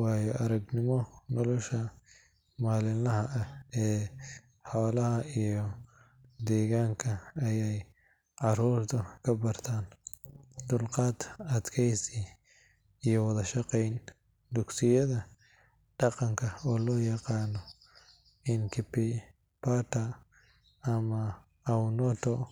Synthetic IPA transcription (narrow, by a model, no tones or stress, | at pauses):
wɑːjɔʔɐɾɐɡnɪmɔnɔlɔʃɐ | maːlɪlɐɦɐʔɐhɛː | ħɔːlɐɦɐijɔ | d̪ɛːɣaːŋkʰɐɐjɛj | ʕɑruːrt̪ʰɐkʰɐbɐrt̪ʰaːn | d̪ʊlqɑːd̪ɐd̪kʰɛjsi | ijɔwɐðɐʃɑqɛjn | d̪ʊksɪjɐðɐ | ɖ̥ɑqɑŋkʰɐɔːlɔːjɑqɑːnːɔ | ɪnkʰɪpɪ | pʰaːt̪ɐ | ɐmɐ | ɐnɔt̪ʰɔ